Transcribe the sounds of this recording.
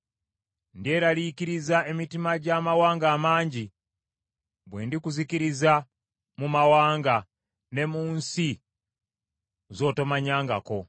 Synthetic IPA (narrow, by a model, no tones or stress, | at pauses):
ndie̞ɾalikiɾizae̞mitimaɟamawaːŋɡaːmaːɲɟi | bwe̞ːndikuzikiɾiza | mumawaːŋɡa | ne̞muːnsi | zo̞ːto̞maɲaːŋɡa̰ko̞